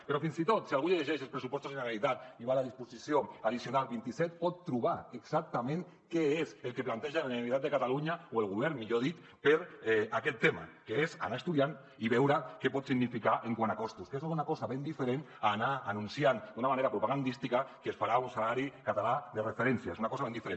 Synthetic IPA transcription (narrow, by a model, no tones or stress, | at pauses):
peɾɔfinzit̪ot̪sialɣ̞uʎeʎeʒeʃ̬elspɾesupɔst̪uzðeneɣalit̪at̪iβalaðispusisjoaðisjonalβint̪isɛt̪̚pɔt̪ːɾuβaeɡzak̚t̪amẽŋ | keezelˠkeplant̪eʒalaniit̪at̪̚d̪ekat̪aluɲaoelɣ̞uβ̞ɛɾnmiʎoðit̪ | peɾakɛt̪ːema̰keeza̰naest̪uðjan | iβɛwɾakepɔt̪siɣnifikaʔeŋkwanakɔst̪uskes̬unakɔzaβend̪ifeɾenanaanũnsiand̪unamaneɾapɾupaɣand̪ist̪ikakesfaɾaunsalaɾikat̪alaðerefeɾɛnsjaezunakɔzaβend̪ifeɾen